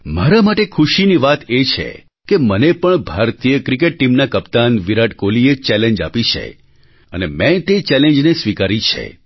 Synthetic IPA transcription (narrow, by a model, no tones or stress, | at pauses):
maɾamaʈekʰuʃiniʋat̪et͡ʃʰḛ | kemənepəɳbʱaɾt̪ijəkɾik̬eʈ̚ːimnakəpt̪anʋiɾaʈkoliet͡ʃɛlẽɲd͡ʒa̰pit͡ʃʰḛ | ənemɛ̃t̪et͡ʃɛlẽnd͡ʒnesʋikaɾit͡ʃʰḛ